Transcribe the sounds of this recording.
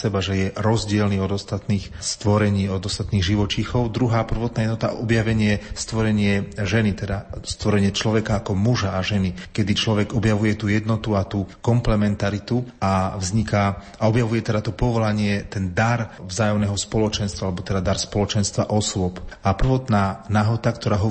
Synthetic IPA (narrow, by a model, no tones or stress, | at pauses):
sɛbaʒɛjɛɾɔzɟɪɛlniɔd̪ɔst̪at̪niːxst̪ʋɔɾɛɲiːɔd̪ɔst̪at̪niːɣʒiʋɔt͡ʃixɔʊd̪ɾuɦaːpr̩ʋɔt̪̚najɛd̪nɔt̪a̰ʔɔbjaʋɛɲɪɛst̪ʋɔɾɛɲɪɛʒɛnit̪ɛd̪ast̪ʋɔɾɛɲɪɛt͡ʃlɔʋɛkaːkɔmuʒaːʒɛnikɛd̪it͡ʃlɔʋɛɡɔbjaʋujɛt̪uːjɛd̪nɔt̪uat̪uːkɔmplɛmɛnt̪aɾit̪uavzɲika | aɔbjaʋujɛt̪ɛd̪at̪ɔpɔʋɔlaɲɪɛt̪ɛnd̪aɾvzaːjɔmnɛɦɔspɔlɔt͡ʃɛnst̪ʋaalɛbɔt̪ɛd̪ad̪aɾspɔlɔt͡ʃɛnst̪ʋaʔɔsʊɔpapr̩ʋɔt̪naːnaɦɔt̪akt̪ɔɾaːɦɔ